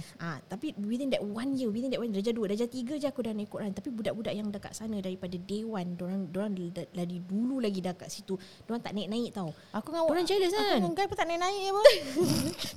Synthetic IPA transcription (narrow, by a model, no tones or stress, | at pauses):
ʔat̪apiwit̪indɛʔwanjəwit̪indɛʔwandad͡ʒaduwədad͡ʒat̪iɡəd͡ʒakudanaikoʔɾʔant̪apibudaʔbudaʔjaŋdaka̰ʔsanə̃daɾipadadewandoɾaŋdoɾaŋladidululaɡidakaʔsit̪u | doɾaŋt̪aʔnaiʔnãɪʔ̚t̪auw | akuŋawkuɾand͡ʒaləsanŋaɡajpət̪aʔnaiʔnaɪʔjəpə